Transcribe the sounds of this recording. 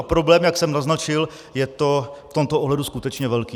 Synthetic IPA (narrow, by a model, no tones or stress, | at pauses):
pɾo̞blɛːmjaksɛmnaznat͡ʃɪl | jɛt̪o̞ft̪o̞mt̪oʔoɦlɛduskut̪ɛt͡ʃɲɛvɛlkiː